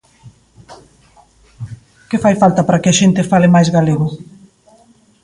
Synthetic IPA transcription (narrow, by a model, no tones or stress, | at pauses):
kɪfajfalt̪apaɾakɪaʃent̪ɪfalemajzɣaleɣʊ